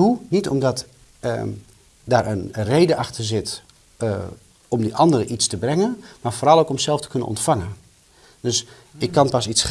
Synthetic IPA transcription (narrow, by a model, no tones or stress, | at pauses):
unitɔ̰mdɔt | daːɾənrejdəʔɑxtərzɪt | ɔmdəʔɑndərəʔitstəbrɛŋənmaːɹfoːɾɑlˠowkɔmsɛlˠftə̥kɵnə̰nɔ̰ntfaŋən | døs | ɪkːanpasis